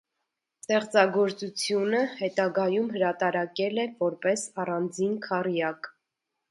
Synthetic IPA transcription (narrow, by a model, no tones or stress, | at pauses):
st̪ɛχt͡sɑɡɔɾt͡sut͡sʰjunəhɛt̪ɑɡɑjumɦəɾɑt̪ɑɾɑkɛlɛvɔɾpɛsɑrɑnd͡zinkʰɑrjɑk